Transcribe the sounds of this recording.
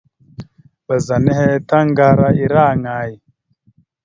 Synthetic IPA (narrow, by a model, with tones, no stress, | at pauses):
ɓa˨za˨nɛ˦hɛ˦ta˦ŋɡa˦ɾa˦i˦ɾa˦˨ŋaː˨˦ji˨